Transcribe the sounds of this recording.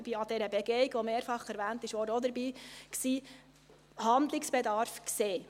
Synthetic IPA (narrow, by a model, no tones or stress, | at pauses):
biːɑd̥̪ɛɾəbɛɡeɪɡʋɔmeːɾfɑχɛɾʋæːnt̪ɪʃʋɔːdəɔd̪əɾbiːksiː | hɑnd̪lɪksb̥ed̪ɑɾfkseː